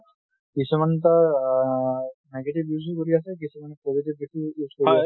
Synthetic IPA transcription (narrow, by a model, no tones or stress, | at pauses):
kit͡ʃʰumanet̪̬a | nɛɡeʈibjuzukoɾiasʰek̬it͡ʃʰumanepoziʈibiʈʰijuzkoɾia